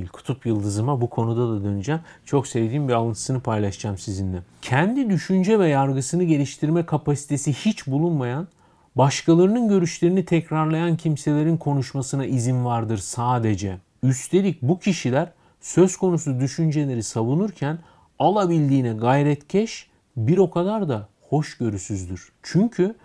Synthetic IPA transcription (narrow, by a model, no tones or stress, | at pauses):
lʲkʰu̥t̪ʰupjɯlˠd̪ɯzɯmabukʰo̞nud̪ad̪ad̪ø̞nyd͡ʒamt͡ʃʰo̞ksevd̪iːnbialˠɯnt̪ʰɯ̥sɯnɯpʰajlˠaʃd͡ʒamsizind̪ɛcʰɛnd̪id̪yʃynd͡ʒɛvɛjaɾɡɯsɯnɯɟe̞lʲiʃt̪ʰiɾmɛkʰapʰasi̥t̪ʰe̞sihit͡ʃbulˠunmajan | baʃkalˠaɾɯnɯnɟø̞ɾyʃlʲe̞ɾinit̪ʰɛcɾaɾlˠajancʰimse̞lʲe̞ɾinkʰo̞nuʃmasɯnaʔizinvaɾd̪ɯɾsaːd̪e̞d͡ʒɛ | yst̪ʰe̞lʲic̚bucʰiʃilʲæɾ | sø̞zkʰo̞nusud̪yʃynd͡ʒe̞lʲe̞ɾisavunuɾcʰæn | alˠabilʲd̪iːnɛɡajɾɛt̪cʰɛʃ | biɾo̞kʰad̪aɾd̪a | ho̞ʃɟø̞ɾysyzd̪yɾ̥ | t͡ʃʰyɲcʰy